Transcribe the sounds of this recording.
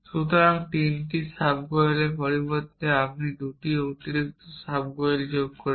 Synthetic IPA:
ʃut̪oɾaŋt̪inʈisabɡoelepɔɾibot̪ːeapnid̪uʈiot̪iɾik̚t̪osabɡoeld͡ʑoɡkoɾi

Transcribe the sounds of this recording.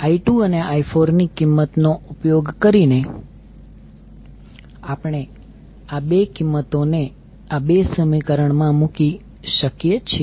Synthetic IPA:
aiʈuəneaifʰoɾnikːimːət̪noʔupjoɡkəɾine | apəɽ̃e | abekimːət̪one | abesəmikəɾəɳmãmuki | ʃəkjet͡ʃʰi

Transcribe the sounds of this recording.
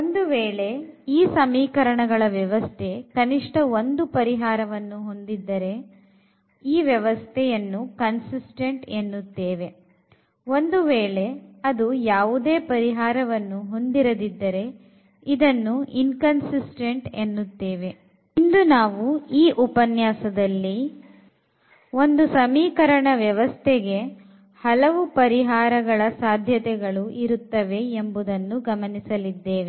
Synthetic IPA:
ond̪uʋeːɭe̞iːsɐmiːkɐɾɐɳɐɡɐɭɐʋjɛʋɐst̪ʰe̞kɐniʂʈɐo̞nd̪upɐɾiɦaːɾɐʋɐnːuɦo̞nd̪id̪ːɐɾe̞ | iːʋjɛʋɐst̪ʰɛjɐnːukɐnsisʈeɳʈenːut̪ːeːʋe̞ | o̞nd̪uʋeːɭe̞ɐd̪ujaːʋud̪e̞ːpɐɾiɦaːɾɐʋɐnːuɦo̞nd̪iɾɐd̪id̪ːɐɾe̞ | id̪ɐnːuinkɐnsisʈeɳʈenːut̪ːeːʋe̞ | nd̪unaːʋuiːʔupɐnjaːsɐd̪ɐlːi | o̞nd̪usɐmiːkɐɾɐɳɐʋjɐʋɐst̪ʰɛɡe̞ | hɐlɐʋupɐɾiɦaːɾɐɡɐɭɐsaːd̪ʱjɐt̪ɛɡɐɭuʔiɾut̪ːɐʋe̞embud̪ɐnːuɡɐmɐnisɐlid̪ːeːʋe

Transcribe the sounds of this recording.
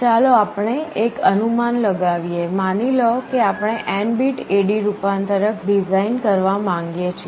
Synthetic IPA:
t͡ʃaloapəɳeʔekənumanləɡaʋijemanilokeapɳ̃eʔɛɳbiʈeɽiɾupant̪əɾəkʰɖid͡ʒainkəɾʋamãŋɡjet͡ʃʰe

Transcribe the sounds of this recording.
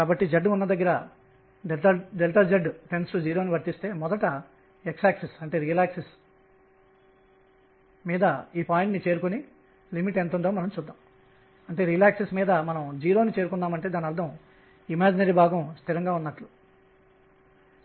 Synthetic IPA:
kaːbɐʈːid͡ʒɐɖːunːɐd̪ɐɡːɐɾɐ | ɖɐɖelʈɐd͡ʒɐɖːʈensʈud͡ʒiːɾo̞ːniʋɐɾt̪ist̪e̞ːmɔd̪ɐʈɐ | eksaːksesɐɳʈe̞ːɾiːlaːkses | miːd̪ɐiːpaːjiɳʈnit͡ʃe̞ːɾukoni | limiʈent̪uɳɖoːmɐnɐmt͡ʃuːd̪ːaːm | ɐɳʈe̞ːɾiːlaːksesmiːd̪ɐmɐnɐmd͡ʒiːɾo̞ːnit͡ʃeːɾukund̪aːmɐɳʈe̞ːd̪aːniɐɾd̪ʱɐm | imaːd͡ʒinɐɾibʱaːɡɐmst̪ʰiɾɐŋɡaːunːɐʈlu̥

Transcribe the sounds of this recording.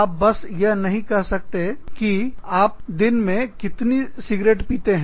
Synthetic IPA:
p̚bɐsjɐɦnɐɦĩkɛɦsɐk̚t̪ekiaːp̚d̪ɪnmẽkɪt̪nisɪɡɾeːʈpiːt̪eɦɛ̃

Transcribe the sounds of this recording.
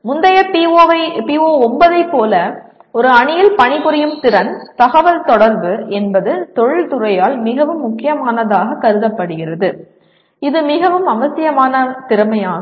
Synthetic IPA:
mʊnd̪ɐjɐpːɐpioːɔmbɐðɐɪpːoːlɐ | ɔɾɯɐɳɪjɪlpɐɳɪpɯɾɪjɯmt̪ɪɾɐnt̪ɐɣɐʋɐlt̪ɔɽɐɾbɯɛnbɐðɯt̪ɔɻɯɭt̪ʊɾɐjaːlmɪɣɐʋɯmːʊkːɪjɐmaːnɐðaːɣɐkɐɾɯðɐpːɐɽɯɣɪrɐðɯ | ɪðɯmɪɣɐʋɯmɐʋɐsɪjɐmaːnɐt̪ɪɾɯmɐjaː

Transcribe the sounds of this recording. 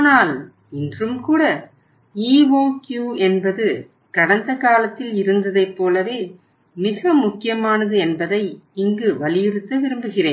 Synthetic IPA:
aːnaːl | ɪndrɯmkuːɽɐ | iːʋoːkjuːɛnbɐðɯ | kɐɽɐnd̪ɐkaːlɐt̪ːɪlɪɾɯnd̪ɐðɐɪpːoːlɐʋeː | mɪɣɐmʊkːɪjɐmaːnɐðɯɛnbɐðɐɪɪŋɡɯʋɐɭɪjɪɾɯt̪ːɯʋɪɾɯmbɯɣɪreːn

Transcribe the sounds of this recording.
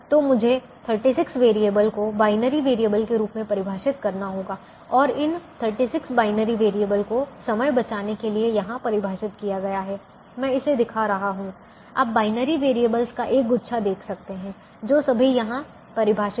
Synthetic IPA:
t̪omʊd͡ʒʱe | t̪ʰəɾʈiːsɪksʋeːɾieːbəlkobaːɪnəɾiʋeːɾieːbəlkeɾuːpmẽpɐɾɪbʱaːʃɪt̪kɐɾnaɦoːɡaː | ɔːɾɪnt̪ʰəɾʈisɪksbaːɪnəɾiʋeːɾieːbəlkosɐməjbɐt͡ʃaːnekeliejɐɦãpɐɾɪbʱaːʃɪt̪kijaɡɐjaɦɛː | mɛ̃ːɪsed̪ɪkʰaɾɐɦaɦũ | a̰ːp̚baːɪnəɾiʋeːɾieːbəlskaʔeːk̚ɡʊtːʃʰad̪eːkʰsɐk̚t̪eɦɛ̃ː | d͡ʒoːsɐbʱijɐɦã | pɐɾɪbʱaːʃɪ

